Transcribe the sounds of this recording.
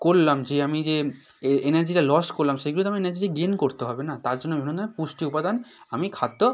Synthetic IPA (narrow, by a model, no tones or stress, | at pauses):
kollamd͡ʑeamid͡ʑe | enaɾd͡ʑiʈalɔskoɾlamʃeɡulot̪oamienaɾd͡ʑiʈaɡenkoɾt̪eɦɔbenat̪aɾd͡ʑonːobʱinonãmepuʃʈiupad̪an | amikʰat̪ːo